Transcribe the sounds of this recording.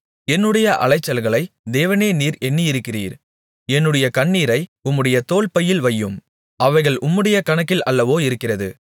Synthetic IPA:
ɛnːɯɽɐjɐʔɐ̰lɐɪt͡ʃːɐlɣɐɭɐɪd̪eːʋɐneːniːɾɛnːiɪɾɯkːɪriːɾ | ɛnːɯɽɐjɐkɐɳːiːɾɐɪʊmːɯɽɐjɐt̪oːɭpɐjɪlʋɐjːɯm | ʔɐʋɐɪɣɐɭʊmːɯɽɐjɐkɐɳɐkːɪlɐlːɐʋoːɪɾɯkːɪrɐðɯ̰

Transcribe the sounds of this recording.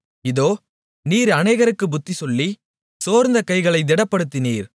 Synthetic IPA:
ɪðoː | niːɾɐneːɣɐɾɯkːɯbʊt̪ːisɔlːi | soːɾnd̪ɐkɐɪɣɐɭɐɪd̪ɪɽɐpːɐɽɯt̪ːɪniːɾ

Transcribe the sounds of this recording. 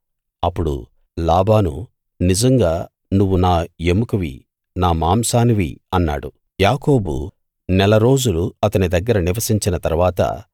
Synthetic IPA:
ɐpːuɽṵ | laːbaːnṵ | nid͡ʒɐŋɡaː | nuʋːunaːemukuʋḭ | naːmaːmsaːniʋḭɐnːa̰ːɽu | jaːko̞ːbṵ | nɛlɐɾo̞ːd͡ʒuluɐt̪ɐnid̪ɐɡːɐɾɐniʋɐsiɲt͡ʃinɐt̪ɐɾuʋaːt̪ɐ̰

